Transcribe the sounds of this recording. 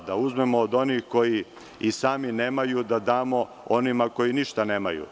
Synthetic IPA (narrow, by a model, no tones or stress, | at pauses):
d̪auzme̞moːd̪o̞niːxko̞ji | isaːmineːmajud̪ad̪aːmo̞ | onimako̞jiniʃt̪aneːma̰jṵ